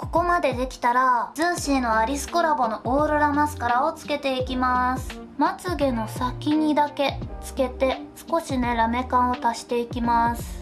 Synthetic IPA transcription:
ko̞̥ko̞mad̪e̞d̪e̞kʲi̥t̪aɾazɨ̃ɰ̃ɕino̞aɾʲisɨ̥ko̞ɾabo̞no̞ʔoːɾoɾamasɨ̥kaɾao̞t͡sɨ̥ke̞t̪e̞ikʲimasɨ̥ | mat͡sɨɡe̞no̞sakʲiɲ̟id̪ake̞t͡sɨ̥ke̞t̪e̞sɨ̥ko̞ɕine̞ɾame̞kãɰ̃o̞t̪aɕi̥t̪e̞ikʲimasɨ̥

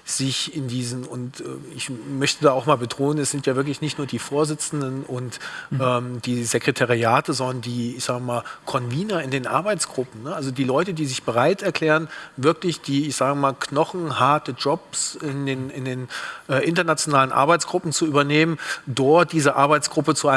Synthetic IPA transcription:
z̥ɪçɪndiːzn̩ʊntʔɛ̰ːɪçmœçtədaːaʊxmaːlbətʁ̥oːnənɛsz̥ɪntjaːvɪɐklɪçnɪçtnuːɐdiːfoːɐzɪt͡sn̩dənʔʊntʔɛːmd̥iːzekʁ̥etʰaʁiaːtəzɔndɐndiːɪçz̥aːɡəmaːlkʰɔnviːnɐɪndeːnʔa̰ɐbaɪt͡sɡ̥ʁʊpm̩nəʔalzodiːlɔʏtədiːzɪçb̥əʁ̞aɪtɛɐkʰl̥ɛːʁənvɪɐklɪçd̥iːɪçz̥aːɡəmaːlkʰnɔχn̩haɐtəd͡ʒɔpsɪndeːnɪndeːnʔɛːʔɪntɐnat͡sjonaːlənʔa̰ɐbaɪt͡sɡ̥ʁʊpm̩t͡suʔyːbɐneːməndɔɐt̚d̥iːzəʔaɐbaɪt͡sɡ̥ʁʊpət͡suʔaɪ

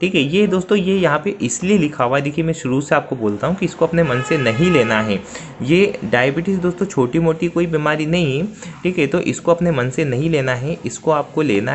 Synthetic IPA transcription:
ʈʰiːkɦɛjed̪oːst̪õjejɐɦãpeʔɪslielɪkʰaːʋad̪eːkʰiemɛ̃ʃʊɾuseaːp̚koboːlt̪aɦũkiɪskoɐpnemɐnsenɐɦĩleːnaɦɛː | jeɖaːjəbɪʈɪs̬d̪oːst̪õt͡ʃʰoːʈimoːʈikoːibiːmaːɾinɐɦĩʈʰiːkɦɛt̪oʔɪ̰skoɐpnemɐnsenɐɦĩleːnaɦɛʔɪskoaːp̚koleːna

